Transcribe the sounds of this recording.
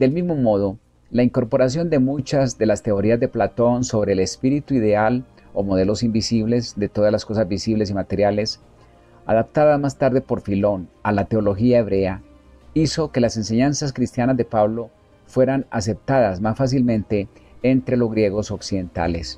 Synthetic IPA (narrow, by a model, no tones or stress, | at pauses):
d̪e̞lmizmo̞mo̞ðo̞ | laiŋko̞ɾpo̞ɾas̬jo̞nd̪e̞mut͡ʃazd̪e̞last̪e̞o̞ɾiazd̪eplat̪o̞nso̞βɾe̞ːlespiɾit̪uiðe̞al | o̞mo̞ð̞e̞lo̞simbisiβle̞zd̪e̞t̪o̞ðazlasko̞sazbisiβle̞s̬imat̪e̞ɾjales | a̰ðap̚t̪aðamast̪aɾðe̞po̞ɾfilo̞nalat̪e̞olo̞xiae̞βɾe̞a | iso̞ke̞lase̞nse̞ɲansaskɾist̪janazd̪e̞paβlo̞ | fwe̞ɾana̰s̬e̞p̚t̪aðazmasfas̬ilmẽ̞nt̪e̞ːnt̪ɾe̞lo̞zɣɾje̞ɣo̞soksiðe̞nt̪a̰le̞s